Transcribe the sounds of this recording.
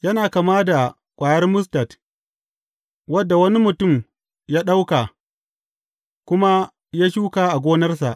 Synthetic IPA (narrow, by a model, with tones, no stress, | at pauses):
jɐ˦naː˨kaː˨maː˦da˨ | kʷʼaː˨jɐ˦rmʊ˦s̬tɐ˨t | wɐ˦dːa˨wɐ˦ni˦mʊ˨tʊ˦˨m | jaː˦ɗa˦wka˨ | kʷʊ˦ma˦ | jaː˦ʃuː˦kaː˨ʔa˨ɡʷoː˦nɐ˦rs̬a˨ʔ